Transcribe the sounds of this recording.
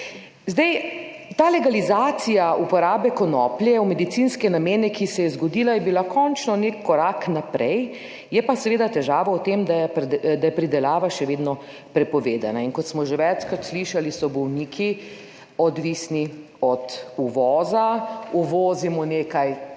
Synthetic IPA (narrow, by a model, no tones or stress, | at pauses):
zd̪ɛj | t̪aːlɛɡalizaːt̪sijaupɔɾaːbɛkɔnɔːpljɛumɛd̪it̪sinskɛnameːnɛkisɛjɛzɡɔd̪ilajɛbilakʰɔnt͡ʃnɔnekːɔɾaːknapɾɛj | jɛpasɛʋeːd̪at̪ɛʒaːʋaut̪emd̪ajɛpd̪ajɛpɾid̪ɛlaːʋaʃɛʋeːd̪nɔ | pɾɛpɔʋeːd̪a̰nainkɔt̪smɔʒeʋɛt͡ʃkɾat̪sliʃalisɔbɔwniːkʰi | ɔd̪ʋisni | ɔt̪uʋɔːzauʋɔːzimɔneːkaj